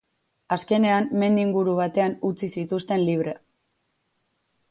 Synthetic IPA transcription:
aske̞ne̞amme̞nd̪iŋɡuɾuβ̞at̪e̞anut͡sisit̪ust̪e̞nliβ̞ɾe̞

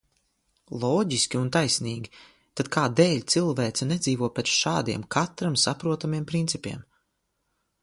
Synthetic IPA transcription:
lˠɔːɟiskʲiunt̪ajsniːɡʲi | t̪ad̪̚kʰaːd̪ɛːʎʲt̪silˠvɛːt̪sɛnɛd̪ziːvuɔpʲɛt̪sʃaːd̪ḭɛmkʰat̪ɾamsapɾuɔt̪amiɛmpɾint̪sipʲḭɛm

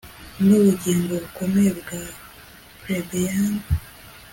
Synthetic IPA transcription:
ŋɡoβuɟiːnboβuko̞meβɡa | pɾebejaːn

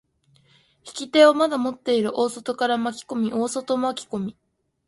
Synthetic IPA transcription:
çi̥kʲit̪e̞omad̪amo̞t̪ːe̞iɾɯ̟ʔo̞ːso̞t̪o̞kaɾamakʲi̥ko̞mʲiʔo̞ːso̞t̪o̞makʲi̥ko̞mʲi

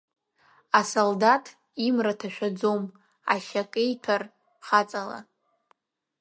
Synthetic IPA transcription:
asoldatʰʼ | imratʰaʃᶣad͡zom | a̰ʃakʼejtʰar | χat͡sʼala̰

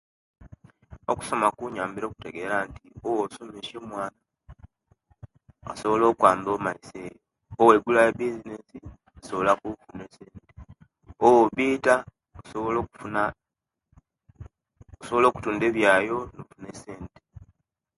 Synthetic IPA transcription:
oku̥so̞makuɲaːmbiɾo̞ːku̥te̞ɡe̞ːɾantiowosomeʃemwaːna | o̰so̞βolo̞ːkwaːmbo̞ːmaisejo | owe̞ɡulajebizine̞si | osoβolakufuneseːnte | owoβiːta | osoβolokuna | osoβolo̞ːku̥tuːnde̞βjaːjo̞nofune̞se̞ːnte̥

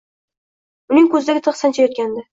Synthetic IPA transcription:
ʊnɪŋʲkʲɵzɪd̪aɡʲɪt̪ʰɨχsant͡ʃʰajɒt̪̚kʲand̪ɪ

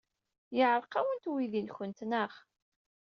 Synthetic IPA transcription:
jəʕɾˤqæwənt̪wiðinçənt̪nəχ

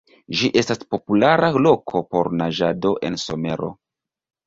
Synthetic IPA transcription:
d͡ʒiʔe̞staspo̞pulaɾalo̞kʰo̞po̞ɾnaʒado̞ʔe̞̰nso̞me̞ɾo̞̰

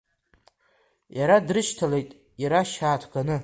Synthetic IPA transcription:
jaɾadrɨʃtʰale̞jtʼ | iɾaʃaːtʰɡanɨ

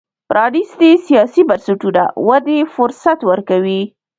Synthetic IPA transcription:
pɾʔɑɽisd̪esijɑsibaɾsɪʈuna̰wad̪efʊɾsat̪wəɾkawi

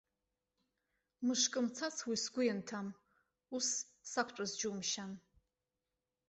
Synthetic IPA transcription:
mɨʂkʼɨmt͡sʰat͡sʰwisɡʷʊjantʰam | usː | akʷʰt͡ʃʷʼazd͡ʒumʃan

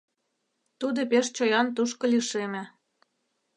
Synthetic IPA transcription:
t̪ud̪opeʃt͡ɕojɑnt̪uʃkɤ̆liʃemĕ

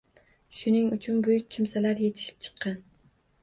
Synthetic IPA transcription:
ʃʊnɪŋʊt͡ʃʰʊnbʊjʊk̚ʲʰːɪmsalaɾje̞t̪ʰɪ̥ʃɪ̥p̚t͡ʃʰɨ̥qʰːɑn

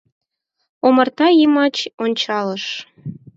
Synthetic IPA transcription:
omərt̪ɑjimɑt͡ɕonʲt͡ɕɑləʃ

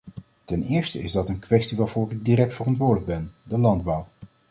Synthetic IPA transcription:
tɛnɪːɹstə̰ɪzdɑtənkʋɛstiʋaːɹvʊːrɪɡ̚dirɛk̚tfərɑntʋʊːɹdələɡ̚bɛndəlɑndbʌw

